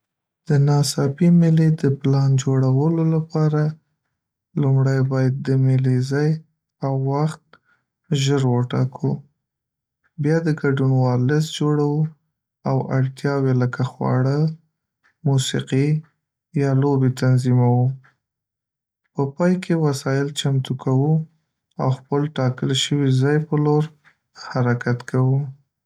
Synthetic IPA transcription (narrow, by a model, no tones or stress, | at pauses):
d̪̥ənɑsɑpimɪled̪əplɑnd͡ʒoɽawəlolapɑɾa | lumɽajbɑjad̪̚ːəmɪlezaj | awːaxt̪̚ | ʒəɾwəʈɑkʰu | bjɑd̪əɡaɖunwɑlɪs̬d͡ʒoɽawu | awaɽt̪jɑweləkaxwɑ̰ɽə | musiqi | jɑlobet̪anzimawu | pəpɑjkʰewasɑjɪlt͡ʃamt̪ukʰawu | a̰wxpəlʈɑkəlʃəwizɑjpəloɾ | haɾakat̪kʰawu